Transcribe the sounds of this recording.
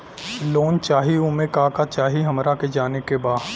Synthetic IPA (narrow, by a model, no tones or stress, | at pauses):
loːnt͡ʃaːɦiʊmẽkaːkat͡ʃaːɦiɦɐmɾaked͡ʒaːnekebaː